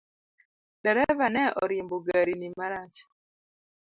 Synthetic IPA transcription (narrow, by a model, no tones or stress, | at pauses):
dɛɾɛvanɛʔɔɾimboɡaɾinimaɾat͡ʃḁ